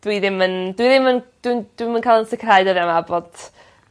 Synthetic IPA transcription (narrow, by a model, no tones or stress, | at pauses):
d̥wiðɪməndwiðɪmənd̥wid̥wimənkʰalˠənsɛkʰrajdəðamabod̥